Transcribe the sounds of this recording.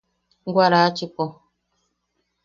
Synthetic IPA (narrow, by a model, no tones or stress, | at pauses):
ɡwaɾat͡ʃipɔ